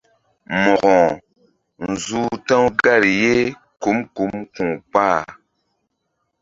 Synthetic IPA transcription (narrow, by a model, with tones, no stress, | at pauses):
mɔ˨ɡɔ̃˨ | n̩˨zu˦tã˦wɡa˦˨ɾi˨je˦ | ku˨˦mku˨˦mkũ˨k͡pa˦˨